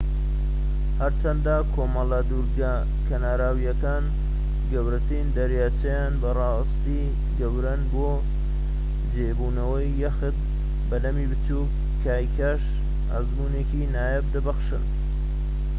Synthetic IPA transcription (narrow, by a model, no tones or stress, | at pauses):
hɐɾt͡ʃʰɐnd̪aːkʰoːmɐlad̪uɾɡa | kʰɐnaːɾaːwijɐkaːn | ɡɐwɾɐt̪ʰiːnd̪ɐɾjaːt͡ʃʰɐjaːnbɐrɑː | st̪i | ɡɐwɾɐnboː | d͡ʒeːbuːnɐwɐjːɐxɨt̪̚ | bɐlɐmibɨt͡ʃuk | kʰːaːjkʰaʃ | ɐ̰zmuːneːkinaːjɐb̚d̪ɐbɐxʃɨ̰n